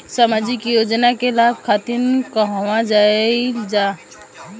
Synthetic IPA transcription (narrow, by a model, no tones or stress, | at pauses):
səmad͡ʒikijod͡ʒnakelab̚kʰat̪inkəɦwãd͡ʒaild͡ʒa